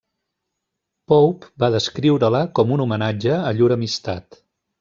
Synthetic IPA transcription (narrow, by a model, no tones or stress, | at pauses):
pɔwpbaðəskɾiwɾələkɔmunumənad͡ʒəːʎuɾəmist̪a̰t̪